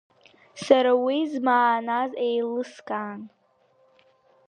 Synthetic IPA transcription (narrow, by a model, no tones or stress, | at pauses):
saɾawizmaːnazejlɨskʼaːn